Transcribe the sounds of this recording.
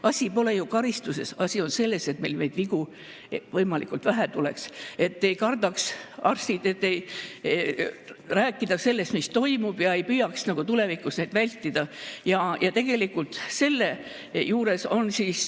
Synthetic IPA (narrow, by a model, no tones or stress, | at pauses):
ʔɑsʲipo̞le̞jukɑɾist̪use̞sɑsʲio̞nse̞lːe̞se̞t̪me̞jlme̞jd̪̥viɡu | vɤjmɑlḭkːˑult̪væɦæt̪ule̞̰kse̞t̪ːe̞jkɑrd̪ɑksɑrsid̪e̞t̪ːe̞j | ræːkːˑid̪̥ɑse̞lːe̞st̪mist̪o̞jmub̥jɑe̞jpyːjɑksnɑɡ̥ut̪ule̞vikusnejd̪vælʲt̪ːid̪̥ɑjɑjɑt̪e̞ɡ̥e̞likːult̪se̞lːe̞ | juːɾe̞so̞nsiːs